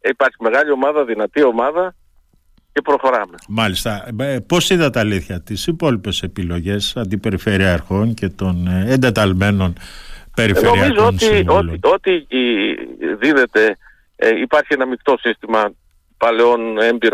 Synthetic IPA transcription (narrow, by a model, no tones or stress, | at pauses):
ipɐɾçime̞ɣɐʎio̞mɐðɐðinɐt̪io̞mɐðɐ | ce̞pɾo̞xo̞ɾɐme̞mɐlist̪ɐpo̞siðɐt̪ːliθçɐt̪isipo̞lipe̞se̞pilo̞ʝe̞sɐnd̪ipe̞ɾifeɾiɐɾxo̞ɲce̞t̪o̞nend̪e̞t̪ɐlme̞no̞npe̞ɾifenoɾiɐmizoonsiolio̞t̪i | ðiðe̞t̪e̞ | ipɐɾçienɐmikt̪o̞sist̪imɐ | pɐleo̞nembiɾ